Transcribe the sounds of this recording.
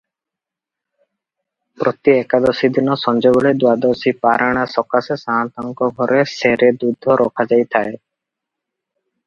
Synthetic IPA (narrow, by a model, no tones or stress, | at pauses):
pɾʔɔt̪iɛkad̪ɔsid̪inɔsɔnd͡ʒɔɡɔɭed̪wad̪ɔɾsipaɾʔaɽ̃asɔkasesaant̪ɔŋkɔɡʱɔɾeseɾed̪ud̪ʱːɔɾʔɔkʰad͡ʒajt̪ʰae